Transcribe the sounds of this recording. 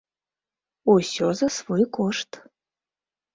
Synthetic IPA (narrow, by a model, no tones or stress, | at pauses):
usʲozasvojkoʃt̪